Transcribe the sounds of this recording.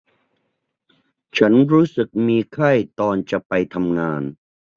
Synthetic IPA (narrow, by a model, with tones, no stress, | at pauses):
t͡ɕʰa˦˥nɾuː˦˥sɯ˨˩k̚miː˧kʰa˥˩jt̪ɔː˧nt͡ɕa˨˩pa˧jt̪ʰa˧mŋaː˧n